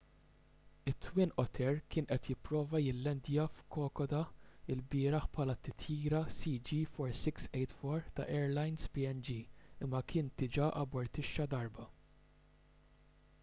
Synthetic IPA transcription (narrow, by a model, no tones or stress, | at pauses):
ɪt̪ːwɪːnʔɔt̪ʰɛɾkɪːnʔɛt̪jɪpːɾɔːvɐjɪlːɛnd̪jɐfkɔːkɔd̪ɐɪlbɪːɾɐħpʰħɐːlɐt̪ːɪt̪ʰjiːɾɐsid͡ʒiːfɔɾsɪksɛjt̪fɔɾt̪ɐ̰ʔɛːɾlɐjnspiɛnd͡ʒiːɪmːɐkʰɪːnt̪ɪd͡ʒɐʔɐbɔɾt̪ɪʃːɐd̪ɐɾbɐ